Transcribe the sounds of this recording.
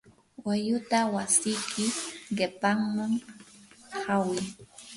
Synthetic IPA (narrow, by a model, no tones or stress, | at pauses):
wajʊt̪awasɪjkʰɪɢɪpaŋmaŋ | hawɪ